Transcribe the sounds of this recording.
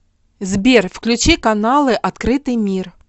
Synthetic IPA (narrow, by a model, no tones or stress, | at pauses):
zbʲerfklʲʉt͡ɕikɐnalˠɨʔɐt̪kɾɨt̪ɨjmʲir